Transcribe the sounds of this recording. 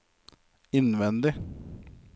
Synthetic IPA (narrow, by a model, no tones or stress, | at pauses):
ɪnʋɛnd̪ɪ